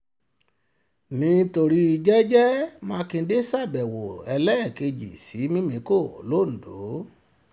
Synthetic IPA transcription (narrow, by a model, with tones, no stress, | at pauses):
nĩ˧˦to˧ɾi˧i˧d͡ʒɛ˦d͡ʒɛ˦mãː˧kĩ˧˦de˦sa˦˨bɛ˨wo˨ɛ˧lɛ˦˨ke˧d͡ʒḭ˨si˨˦mĩ˦mĩ˨˦ko˦˨o˨lo˦˨n̩˨do˨˦